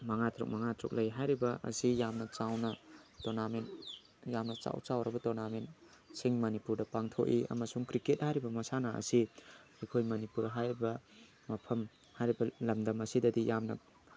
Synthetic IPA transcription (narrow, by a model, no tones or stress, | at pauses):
mɐŋatʰɾṵk̚maŋat̪ʰɾṵk̚lɐjɦajɾibɐʔɐ̰sijamnɐt͡ʃawnɐtonamen | jamnɐt͡ʃa̰wt͡ʃawɾɐbɐtonamen | siŋmɐnipuɾdɐpaŋtʰo̰ʔiɐ̰mɐsuŋkɾiket̚hajɾibɐmɐsanaɐ̰siikʰojmɐnipuɾɦajɾibɐ | mɐpʰɐm | hajɾibɐlɐmdɐmɐsidɐdijamnɐ